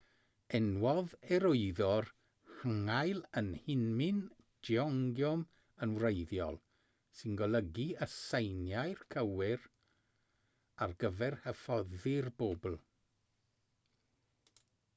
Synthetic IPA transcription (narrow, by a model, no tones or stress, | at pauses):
ɛnwɔðɛɾoɨðɔr | həŋajlˠənhɪnmɪn | d̥iɔŋɡjɔm | ənwrejðjɔ̰lˠ | sɪnɡɔlˠəɡiəsejnjajrkʰəwɪr | arɡəvɛrhəfɔðɪrboːbl̩ˠ